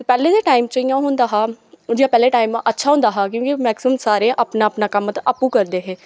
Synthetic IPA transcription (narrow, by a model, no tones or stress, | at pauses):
pɛːleːd̪eːʈaːiːmt͡ʃəĩjãːɦʊ̃nd̪aːɦaːd͡ʒaːpɛːleːʈaːiːmətːʃʰaːɦʊ̃nd̪aːɦaːkjõːkimɛːksɪməmsaːɾeːʔaːpnaːəpnaːkəmt̪ʔəpːũːkəɾd̪eːɦeː